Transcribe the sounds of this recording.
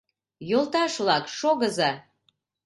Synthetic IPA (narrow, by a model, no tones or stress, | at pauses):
jolˠt̪ɑʃβlɑkʃoɣəzɑ